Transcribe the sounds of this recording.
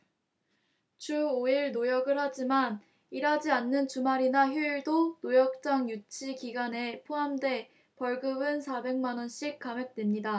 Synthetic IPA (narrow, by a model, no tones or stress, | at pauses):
t͡ɕʰuoiɭnojʌɡɯɭhad͡ʑiman | iɾɦad͡ʑianːɯnt͡ɕumaɾinaçjuiɭdonojʌk̚t͡ɕ͈aŋjut͡ɕʰikiɡane̞pʰoɦamdwe̞ | pʌɭɡɯbɯnsʰabe̞ŋmanʌnɕ͈ʰik̚k͈amjʌk̚t͈wemɲida